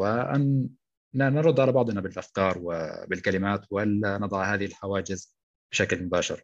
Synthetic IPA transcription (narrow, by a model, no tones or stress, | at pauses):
ɪʔa̰nː | nɾʊd̪ːʕalabɑʕd̪ˤnabɪlʔafkɑːɾˤwɪ̰bɪlkalɪmaːt̪walːanɨd̪ˤɑʕhaːðɪhɪlħawaːd͡ʒɪz | b̥ɪʃaklmʊbaːʃɪ̰ɾ